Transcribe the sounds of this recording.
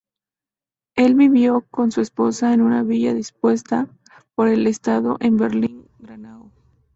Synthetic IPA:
e̞lβiβjo̞ko̞nsue̞spo̞saenunaβiʝaðispwe̞st̪a | po̞ɾe̞le̞st̪aðo̞ʔembe̞ɾliŋ | ɡɾanao

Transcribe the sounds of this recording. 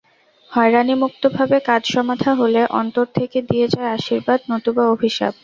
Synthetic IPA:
hɔeɾanimuk̚t̪obʱabekad͡ʑʃɔmad̪ʱʰaɦoleʔɔ̰nt̪oɾt̪ʰeked̪ied͡ʑaeaʃiɾbad̪not̪ubaobʱiʃa̰b

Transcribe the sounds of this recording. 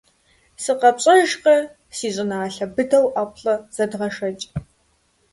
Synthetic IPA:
sɨqɐpɕʼɐʒqɐ | siːɕʼɨnaːɬɐbɨdɐwʔaːpʰɬɐz̥ɐdʁɐʂɐt͡ʃʼ

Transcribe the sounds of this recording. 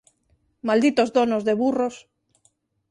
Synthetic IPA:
mald̪it̪ozd̪onozðeβuros

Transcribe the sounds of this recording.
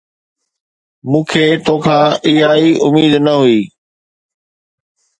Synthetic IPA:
mũːkʰeːt̪oːkʰãːɪɦaːiʔʊmiːd̪nɐɦuiː

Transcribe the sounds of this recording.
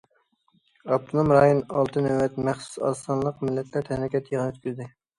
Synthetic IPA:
ɑp̚t̪ʰunomɾɑːjonɑlˠt̪ʰɨnøwɛt̪mɛχsu̥sɑ̰sɑnlˠəqmɪlːɛt̪ʰlæɾt̪ʰɛhɾɪkʲɛt̪ʰjəʁnøt̪kʲyzd̪ɪ

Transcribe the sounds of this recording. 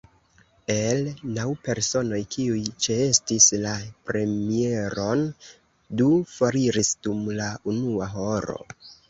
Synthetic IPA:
e̞lnawpe̞ɾso̞no̞jkʰiujt͡ʃeestislapɾe̞mie̞ɾo̞n | dufaɾiɾisd̥umlaunuaɦo̞ɾo̞̰

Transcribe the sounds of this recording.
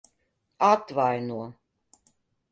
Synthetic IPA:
at̪vajnuo

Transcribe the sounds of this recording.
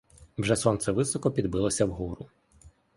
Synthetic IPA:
wʒɛsɔnt̪sɛʋɪsɔkɔpʲid̪bɪlˠɔsʲɐwɦuɾʊ

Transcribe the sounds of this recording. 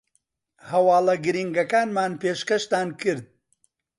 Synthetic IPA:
hɐwɑːlˠɐɡɨɾiŋɡɐkaːnmaːnpeːʃkɐʃt̪aːnkʰɨɾd̪̚

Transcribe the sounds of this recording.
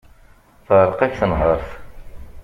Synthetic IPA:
θəɾˤəqæçθənɦəɾˤθ

